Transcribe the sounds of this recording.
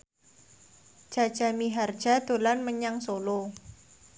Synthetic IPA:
ʒ̥a̤d̥ʒ̥a̤miɦard̥ʒ̥a̤d̪̥o̤lanməɲaŋsolo

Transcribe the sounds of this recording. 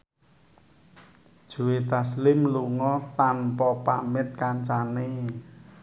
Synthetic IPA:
d̥ʒ̥o̤wet̪aslɪmluŋɔt̪anpɔpa̰mɪt̪̚kant͡ʃane

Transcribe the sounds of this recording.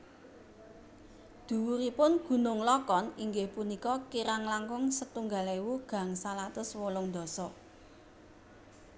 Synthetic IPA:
d̪̥ṳwuɾipʊnɡ̥ṳnʊŋlɔkɔniŋɡɪhpunikɔkiɾaŋlaŋɡʊŋsət̪uŋɡalewuɡ̥ä̤ŋsalat̪ʊswolʊŋnd̪ɔ̤sɔ

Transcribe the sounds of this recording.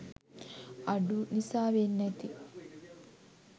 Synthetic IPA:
ɐɖunisaːʋenːɐt̪i

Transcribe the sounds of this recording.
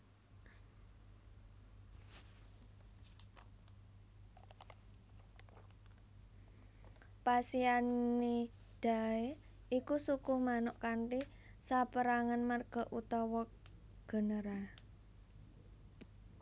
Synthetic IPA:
pasianːi | d̥a̤e | ʔikusukʊhmanʊʔkanʈi | sapəɾaŋanmarɡ̥ɔ̤ʔut̪ɔwɔ | ɡ̥ə̤nəɾa

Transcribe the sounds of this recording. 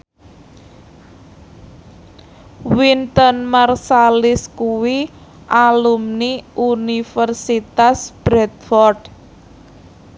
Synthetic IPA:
wint̪ənmərsalɪskuwi | ʔalumniunifərsit̪asb̥ɾɛt̪̚fɔrɖ̥

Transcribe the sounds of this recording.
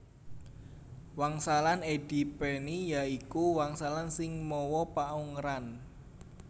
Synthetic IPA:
waŋsalaned̥i̤penijaikuwaŋsalansɪŋmɔwɔpauŋɾan

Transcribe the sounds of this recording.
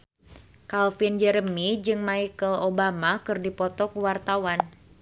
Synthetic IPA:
kalfind͡ʒɛɾəmid͡ʒɨŋmaikəlobamakɨrdipɔt̪ɔkuwart̪awan

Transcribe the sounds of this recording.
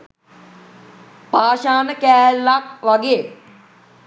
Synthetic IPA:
paːʃaːnəkæːlːakʋɐɡeː

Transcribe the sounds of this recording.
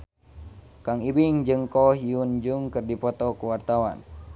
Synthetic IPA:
kaŋibiŋd͡ʒɨŋkɔɦiund͡ʒuŋkɨrdipɔt̪ɔkuwart̪awa̰n

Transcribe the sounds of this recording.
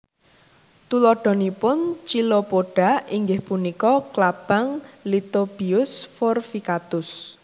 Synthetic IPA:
t̪ulɔɖ̥ɔ̤nipʊnt͡ʃilopoɖ̥a̤iŋɡɪhpunikɔklab̥a̤ŋlit̪ob̥iʊsfɔrfikat̪ʊs

